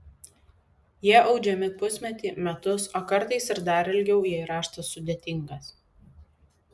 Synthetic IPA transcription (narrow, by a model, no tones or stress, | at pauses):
jiɛʔɒʊd͡ʒʲɛmʲɪpʊsʲmʲɛt̪ʲiːmʲɛt̪ʊsoːkɐɾt̪ɐɪsɪɾd̪ɐɾɪlʲɡʲɛʊjiɛɾɑːʃt̪ɐsʊd̪ʲeːt̪ʲɪŋɡɐs